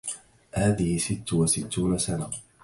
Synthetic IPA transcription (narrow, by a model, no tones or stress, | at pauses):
haːðɪhɪsɪt̪ːwasɪt̪ːuːnasana